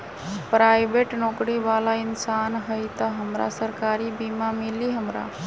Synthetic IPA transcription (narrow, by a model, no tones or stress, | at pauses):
pɾaːɪbeːʈnoːkɽiʋaːlaɪnsaːnɦəjt̪əɦəmɾa̰səɾkaːɾibiːmamɪliɦəmɾa̰ː